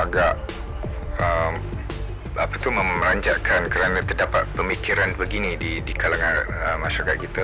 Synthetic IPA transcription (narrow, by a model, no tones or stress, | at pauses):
aɡaʔ | əm | apət̪uhmə̃mɾaɲd͡ʒaʔkʰankəɾanãt̪ərdapat̪̚pəmikiɾanbəɡinĩdidikalaŋanəmaʃaɾakat̪̚kit̪ə